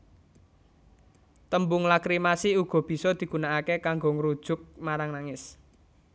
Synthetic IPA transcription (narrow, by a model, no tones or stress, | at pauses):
t̪əmbʊŋlakɾimasiuɡ̥ɔ̤b̥i̤sɔd̪̥i̤ɡ̥ṳnaakekaŋɡɔŋəɾud̥ʒ̥ʊ̤k̚maɾaŋnaŋɪs